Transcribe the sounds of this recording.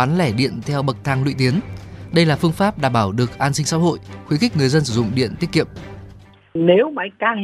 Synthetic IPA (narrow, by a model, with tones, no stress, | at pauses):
aː˨˦nlɛ˧˩ɗḭ˧˨ənt̪ʰɛ˧wɓə˨˩k̚t̪ʰaː˧ŋlwḭ˧˨t̪i˨˦ənɗə˧jlaː˨˩fɨ˧əŋfaː˦˥p̚ɗaː˧˩mɓaː˧˩wɗɨ˨˩ək̚ʔaː˧nsï˧ŋ̟sa̰ː˧˥ɦo̰˧˨jxwi˨˦xï˦˥k̟̚ŋɨ˨˩əjzə˧nsɨ˧˩zʊ̰˧˨ŋ͡mɗḭ˧˨ənt̪i˦˥ət̚ki˧˨əm | ne˨˦wma˨˦jkaː˧ŋ